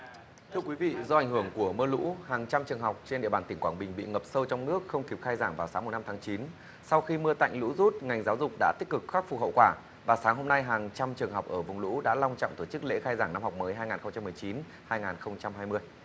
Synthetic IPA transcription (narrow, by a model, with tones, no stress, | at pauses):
t̪ʰɨ˧əkwi˨˦vḭ˧˨zɔ˧ʔa˧˩ŋ̟hɨ˧˩əŋku˧˩əmɨ˧əlṵ˧˥haː˨˩ŋt͡ɕa˧mt͡ɕɨ˨˩əŋɦɔ˨˩wk͡p̚t͡ɕe˧nɗḭ˧˨əɓaː˨˩t̪i˧˩ŋkwaː˧˩nɓï˨˩ŋ̟ɓḭ˧˨ŋə˨˩p̚sə˧wt͡ɕɔ˧wŋ͡mnɨ˦˥ək̚xə˧wŋ͡mki˨˩p̚xaː˧jzaː˧˩ŋvaː˨˩wsaː˨˦mo˨˩na˧mt̪ʰaː˨˦ŋt͡ɕi˨˦n | sa˧wxi˧mɨ˧ət̪a̰˧˨jŋ̟lṵ˧˥zu˦˥t̚ŋa˨˩jŋ̟zaː˨˦wzʊ˨˩k͡p̚ɗa̰ː˧˥t̪i˦˥k̟̚kɨ˨˩k̚xaː˦˥k̚fu˨˩hə̰˧˨wkwaː˧˩ | vaː˨˩saː˨˦ŋɦo˧mna˧jɦaː˨˩ŋt͡ɕa˧mt͡ɕɨ˨˩əŋɦɔ˨˩wk͡p̚ʔəː˧˩vʊ˨˩ŋ͡mlṵ˧˥ɗa̰ː˧˥la˧wŋ͡mt͡ɕɔ̰˧˨ŋ͡mt̪ʰo˧˩t͡ɕɨ˦˥k̚lḛ˧˥xaː˧jzaː˧˩ŋna˧mhɔ˨˩wk͡p̚məː˨˦jɦaː˧jŋaː˨˩nxə˧ŋ͡mt͡ɕa˧mːɨ˨˩ət͡ɕi˨˦n | haː˧jŋaː˨˩nxə˧wŋ͡mt͡ɕa˧mhaː˧jmɨ˧əj